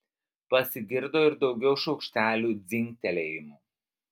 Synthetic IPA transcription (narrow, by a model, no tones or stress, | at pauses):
pɐsʲɪɡʲɪɾd̪oːɪɾd̪ɒʊɡʲɛʊʃɐʊkʃʲt̪ʲæːlʲuːd̪zʲɪŋʲk̚t̪ʲɛlʲɛːjɪmuː